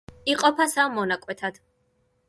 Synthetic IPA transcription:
iqʼɔpʰasamɔnakʼwɛt̪ʰad̪̥

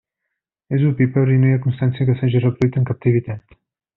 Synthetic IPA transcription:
ezupipəɾinujakunst̪ansiəkəsaʒirəpɾit̪əŋkap̚t̪ivit̪at̪

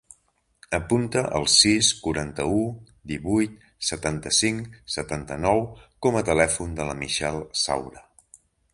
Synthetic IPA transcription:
əpunt̪əʔə̰lˠsiskuɾant̪əu | d̪iβujt̪̚ | sət̪ant̪əsiŋsət̪ant̪ənɔwkɔmət̪əlɛfund̪ələmiʃɛlˠsa̰wɾə

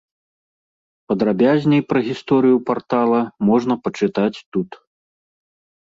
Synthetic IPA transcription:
pɐd̪ɾabʲazʲnʲɛjpɾɐɣʲist̪ɔɾɨjupart̪alˠɐmɔʐnɐpɐt͡ʂɨt̪at͡sʲt̪ut̪

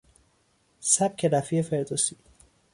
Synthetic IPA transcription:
sæb̥̚kʲʰeɾæfiefeɾd̪osi

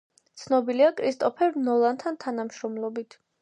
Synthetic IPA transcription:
t̪sʰnɔbiliakʼɾist̪ʼɔpʰɛɾnɔlˠant̪ʰant̪ʰanamʃɾɔmlˠɔbit̪ʰ

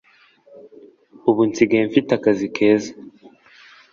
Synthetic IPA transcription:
uβunt͡siɡeɱfitakazikʰe̞ːza

